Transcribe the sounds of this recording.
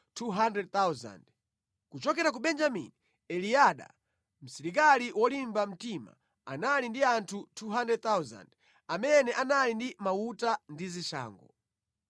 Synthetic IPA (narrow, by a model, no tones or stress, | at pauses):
tʰuɦandɾɛd̚t̪awza̰nd | kut͡ʃɔkɛɾak̬uɓɛnd͡ʒamḭni | ɛliaɗa̰ | m̩siɾik̬aliwɔlimbam̩tima̰ | a̰nalindiantʰutʰuɦandɛd̚t̪awza̰nd | amɛnɛʔanalindimautandiziʃa̰ːŋɡɔ